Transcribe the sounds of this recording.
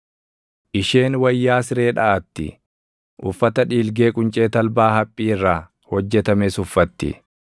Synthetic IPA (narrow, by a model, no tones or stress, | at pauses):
ʔɪʃe̞ːnwɐjːaːsɪɾe̞ːᶑɐʔɐt̪ːɪ̰ | ʔʊfːɐt̪ɐᶑiːlɡe̞ːkʼʊnt͡ʃʼe̞ːt̪ɐlbaːhɐpʼːiːrːaː | hɔd͡ʒːɛt̪ɐmeːsʊfːɐt̪ːɪ̰